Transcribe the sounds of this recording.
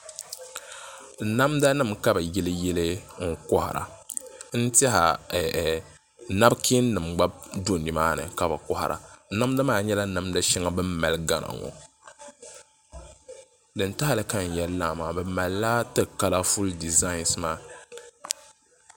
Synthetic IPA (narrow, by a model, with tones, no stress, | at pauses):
na˦mda˦nɨ˦˨mka˦bɨ˨jɛ˦lɨ˦jɛ˦lɨ˦ŋ̩˦kɔ˦ha̰˨ɾa̰˨n̩˦tɛ˦ɦa̰˨ | na˦bkʰi˦nnɨ˨mɡ͡ba˦b̚do˦ndɨ˨maː˦nɨ̰˨ka˦bɨ˨kɔ˦ha̰˨ɾʔa̰˨˦na˦mda˦maː˦˨ɲɛ˦la˦na˨mda˦ʃɪ˦ŋa˦bɨ˦mːa˨lɡa˦na̰˨ŋɔ̰˨ | dɨ˨nta˦a˦lɨ˨ka˦n̩˨jɛ˦llaː˦˨maː˨bɛ˨ma˨lːa˦tɨ˦ka˦la˦fu˦ldi˨za˦ɪ˨˦nsmaː˦